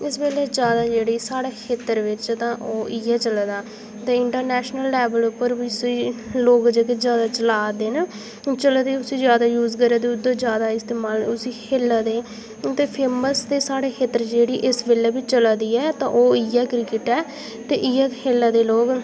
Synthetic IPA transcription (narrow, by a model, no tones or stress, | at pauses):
ɪsbeːlɛːd͡ʒjaːd̪aːd͡ʒeːɽiːsaːɽeːkʰeːt̪əɾʋɪt͡ʃt̪ãːʔoːʔɪːɛːt͡ʃəlaːd̪aː | t̪eːɪɳʈəɾnɛːʃnəlːɛːbəlʊpːəɾbiːsiːloːɡd͡ʒeːkezjaːd̪aːt͡ʃəlaːd̪eːnː | t͡ʃəlaːd̪eːʊsiːzjaːd̪aːjuːzkəɾaːd̪eːʊd̪ə̃ːd͡ʒjaːd̪aːɪst̪eːmaːlʊsiːkʰeːlːaːd̪eː | t̪eːpʰeːməsd̪eːsaːɽeːkʰeːt̪ːəɾd͡ʒeːɽiːʔɪsbeːlɛːbit͡ʃəlaːd̪iːɛːt̪ãːʔoːɪːɛːkɾɪkɪʈɛː | t̪eːʔɪːɛːkʰeːlaːd̪eːloːɡ